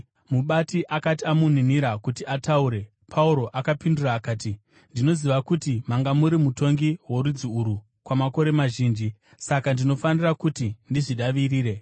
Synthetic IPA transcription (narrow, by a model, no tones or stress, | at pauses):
muɓatiʔakatiamun̤iniɾakutiʔatauɾe̞ | pʰauɾo̞ʔakapinduraːkaːti | ndino̞ziʋakutimaŋɡamuɾimuto̞ŋɡiɦwo̞ɾud͡ziuɾu | kwamako̞ɾe̞maʒiːnd͡ʒi | sakandino̞fanirakutindiʐiɗaʋiriːɾe̞